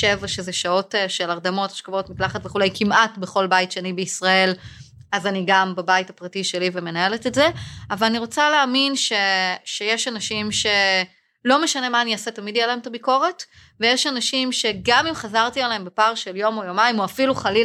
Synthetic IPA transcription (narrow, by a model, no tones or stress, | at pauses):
ʃevaʃezeʃao̞tʃelaʁdamo̞tḁʃkavo̞tmitlaχatveχulejkimatbe̞χo̞lbaitʃeanibeisʁae̞l | azaniɡambabaitapʁatiʃe̞liveme̞nae̞letetzeavalaniʁo̞t͡saleaːminʃe̞ʃejeʃanaʃimʃe̞ | lo̞me̞ʃane̞maːniasetamidjelaemtabiko̞ʁe̞t | vejeʃanaʃimʃe̞ɡamimχazaʁtialeembepaʁʃeljo̞mojomaimoafiluχali